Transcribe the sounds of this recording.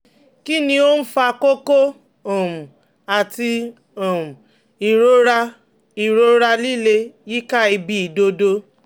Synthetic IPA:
ki˦nĩ˧o˦n̩˦fa˧ko˦ko˦ | ɔ˨m̩˨ | a˨ti˧ | ɔ˨m̩˨ | i˨ɾo˨˦ɾa˧ | i˨ɾo˦ɾa˧li˦le˧ji˦ka˦i˧bi˧˦i˨do˧do˦

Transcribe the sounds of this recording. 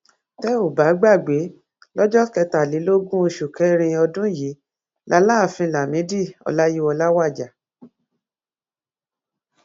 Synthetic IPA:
tɛ˦o˦˨ba˨˦ɡ͡ba˦˨ɡ͡be˨˦ | lɔ˦d͡ʒɔ˦kɛ˧ta˨li˨˦lo˦ɡũ˦o˧ʃu˨kɛ˨˦ɾ̃ĩ˧ɔ˧dũ˦ji˨˦ | lʔa˧˦la˦˨fĩ˧˨la˨mĩ˨˦di˦˨ɔ̰˨˧la˦ji˦ɔ˧la˦wa˦˨d͡ʒa˨

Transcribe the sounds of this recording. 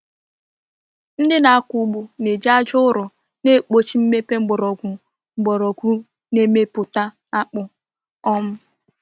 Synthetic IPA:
n̩˦dɪ˦na˨a˦ku˦ɡ͡bu˨ne˨d͡ʒa˦d͡ʒʊ˦ʊ˦ɾʊ˨ | ne˦˨k͡po˨t͡ʃi˦m̩˦me˦pe˦ŋ͡m̩˦ɡ͡bɔ˨ɾɔ˨ɡʷu˨ | ŋ͡m̩˨ɡ͡bɔ˨ɾɔ˨ɡʷu˦ɾu˦ | ne˦me˦pʊ˨ta˦ | a˦k͡pʊ˦ | ɔ˦m̩˦

